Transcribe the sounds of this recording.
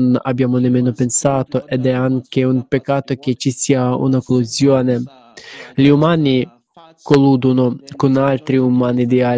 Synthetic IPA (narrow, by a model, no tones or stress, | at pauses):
na̰bːjaːmonemːeːnopensaːt̪oʔed̪ɛaŋkeumpekːaːt̪ok̟et͡ʃisiːaṵnakoluzjɔːne | ʎiumaːni | koluːd̪onokonalt̪ɾiumaːnid̪ia